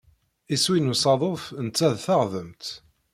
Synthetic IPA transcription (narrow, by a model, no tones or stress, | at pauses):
iswinusˤɑðˤofənt͡sːæðθɑʁðəmt̪